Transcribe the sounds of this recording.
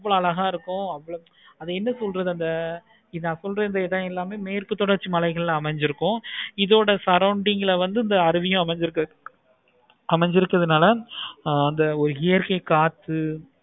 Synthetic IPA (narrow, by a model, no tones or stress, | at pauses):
ʋːɐɭoɐlɐɣaːɪɾɯkːʊ̃ɐʋːɐɭo | ɐðɐɛnːɐsɔlɾɐðɯɐnd̪ɐ | ɪnãːsɔlɾɐɪnd̪ɐɛðãːɛlːaːmeːmeːɾkɯt̪ːɔɽɐɾt͡ʃːɯmɐlɐɪɣɐɭlãːɐmɐɲd͡ʒɪɾɯkːʊ̃ɪðoːɽɐsɐɾɐʊɳɖɪŋɡɪlʋɐnd̪ɯɪnd̪ɐːɾɯʋɪjʊ̃ɐmɐɲd͡ʒɪɾɯkːɐ | ɐmɛɲd͡ʒɪɾɯkːɐðɯnaːlɐː | nd̪ɐɔɾɯɦɪjɐɾkɐɪkaːt̪ːɯ